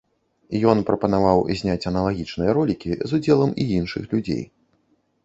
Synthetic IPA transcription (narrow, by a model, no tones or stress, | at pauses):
jɔnpɾɐpɐnavawzʲnʲat͡sʲɐnɐlˠaɣʲit͡ʂnɨjɐɾɔlʲikʲizud͡zʲɛlˠɐmiinʂɨ̰xlʲud͡zʲḛj